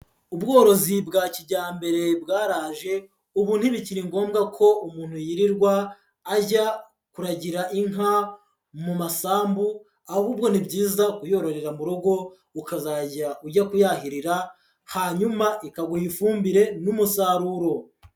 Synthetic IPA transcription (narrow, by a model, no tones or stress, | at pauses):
ub̚ɡo̞ːɾo̞zibɡaːciɟaːmbe̞ɾe̞bɡaːɾaːʒe̞ | uβuːn̥hiβiciɾiŋɡo̞ːmɡakʰo̞umuːn̥hujiɾiɾɡwaː | ɟa | kuɾaɟiɾaʔiŋɦa | mumasaːmbu | ahuːbɡo̞nibɟiːzakujo̞ɾo̞ɾe̞ɾamuɾo̞ɡo̞ | ukazaɟauɟakujahiɾiɾa | haɲumaʔikaɡuhifuːmbiɾe̞numusaɾuɾo̞